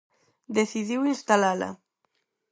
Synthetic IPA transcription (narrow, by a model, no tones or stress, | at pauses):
d̪eθiðiwinst̪alala̰